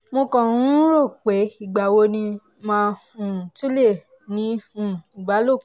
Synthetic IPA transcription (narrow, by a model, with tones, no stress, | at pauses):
mo˧kɔ̃˨ũ˦ɾo˦˨k͡pe˨˦i˦˨ɡ͡ba˨wo˧˦nĩ˧ | mã˦˧ | ũ˨tu˦le˦˨ | nĩ˨˧˦ũ˨i˨ɡ͡ba˨˦lo˦˨